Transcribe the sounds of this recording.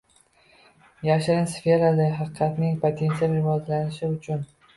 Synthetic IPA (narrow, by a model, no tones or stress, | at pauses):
jaʃɾɪnsfʲe̞ɾalaɦɑqɨqʰɑt̪nɪŋpʰot̪ʰe̞nt̪ijalɾɪvɒzlanɪʃɪʊt͡ʃʰʊn